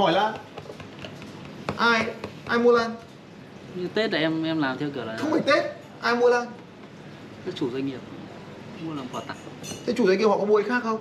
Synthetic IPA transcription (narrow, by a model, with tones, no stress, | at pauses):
hɔ˧˩jlaː˨˩ | ʔaː˧jʔaː˧jmu˧əlaː˧n | ɲɨ˧t̪e˦˥t̚laː˨˩ʔɛ˧mʔɛ˧mlaː˨˩mt̪ʰɛ˧wkɨ˨˩əla˨xə˧wŋ͡mi˨˩t̪e˦˥t̚ | ʔaː˧jmu˧əlaː˧n | t̪ʰe˧˦˥t͡ɕu˨˧˩za˧ŋŋi˨˩əp̚ | mu˧lə˨˩mfɔ˧˩t̪a̰˧˨ŋt̪ʰe˧˥t͡ɕu˧˩zŋi˩phɔ̰˧˨˩kɔ˧˦ɓu˧˩˨ʔə˧jxaː˦˥k̚xə˧wŋ͡m